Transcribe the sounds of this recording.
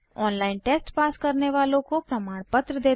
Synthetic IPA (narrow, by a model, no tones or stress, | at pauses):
ɔːnlaːɪnʈeːsʈpaːskəɾneʋaːlõkopɾɐmaːɽ̃pət̪ɾəd̪eː